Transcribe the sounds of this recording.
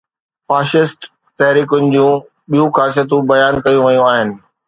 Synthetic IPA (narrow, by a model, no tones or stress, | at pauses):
faːʃɪsʈ | t̪ɐɦɾiːkʊnɪ̆d͡ʑũː | ɓijũxaːsijət̪ũbɐjaːnkɐjũʋɐjũaːɦɪnɪ̆